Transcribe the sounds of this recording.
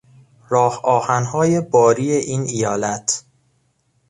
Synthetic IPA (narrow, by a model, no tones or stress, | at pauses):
ɾɒːhɒːhænɦɒːje̞bɒːɾiːeʔiːnʔijɒːlæt̪ʰ